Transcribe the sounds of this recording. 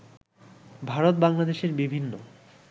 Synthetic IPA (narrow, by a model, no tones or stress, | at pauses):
bʱaɾot̪baŋlad̪eʃeɾbibʱinːo